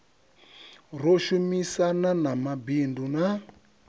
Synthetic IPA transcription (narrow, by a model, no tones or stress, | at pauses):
roʃumisananamabinduna